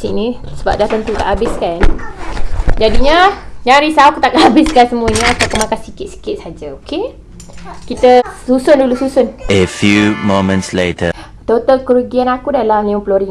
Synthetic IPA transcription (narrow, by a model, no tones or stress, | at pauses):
sinĩsəba̰p̚daht̪ənt̪ut̪a̰ʔabɪskan | d͡ʒadiɲəɲaɾisakut̪aʔkabɪskansəmũəɲəakakumakasikɪt̪̚si̥kɪt̪̚sad͡ʒaoke | kit̪əsusʊndulususʊnəfjumomə̃ntsletʰə | t̪ot̪alkəɾuɡianakudalamliumploɾiŋ